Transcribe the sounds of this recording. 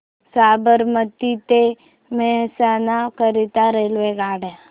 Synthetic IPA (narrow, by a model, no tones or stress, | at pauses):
saːbəɾmət̪it̪e | mɛsanakəɾit̪aɾelʋeɡaːɽe